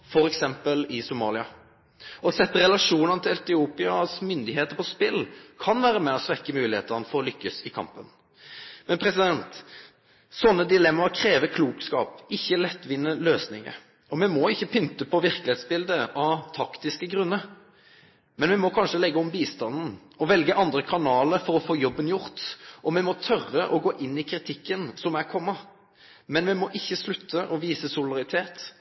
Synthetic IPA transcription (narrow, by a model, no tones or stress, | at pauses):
fɔɾɛksɛmpəlɪsʊmɑ̰ːlɪɑ | ɔsɛt̪ːəɾɛlɑʂuːnənət̪ʰɪlɛt̪ɪuːpɪɑsmʏnd̪ɪɦeːt̪əpɔspɪlkʰɑnʋæːɾəmɛɔsʋɛkːəmʉːlɪhḛːt̪ənəfɔɾɔlʏkːəsɪkʰɑ̰mpən | mɛnpʰɾɛsɪd̪ɛnt̪ | sɔnːəd̪ɪlɛmːɑɾkʰɾeːʋəkʰluːkskɑ̰ːpɪçːəlɛt̪ːʋɪnːəløːsnɪŋə̰ | ɔmɛmɔɪçːəpʰʏnt̪əpʰɔʋɪʁkəlɪheːt̪sbɪld̪əʔɑʋt̪ʰɑkt̪ɪskəɡɾʉnːəɾ | mɛnʋɪmɔkʰɑnʂəlɛɡːəɔmbiːst̪ɑnn̩ | ɔʋɛlɡəʔɑnd̪ɾəkʰɑnɑːləɾfɔɾɔfoːjɔbːənjʊɾt̪ʔɔmɛmɔt̪ʰœrːəʔɔɡoːʔɪnːɪkʰɾɪt̪ʰɪkːənsɔmæʁkʰɔmːɑ | mɛnʋɛmɔʔɪçːəslʉt̪ʰːəʔɔʋiːsəsʊld̪ɑʁɪt̪ʰeːt̪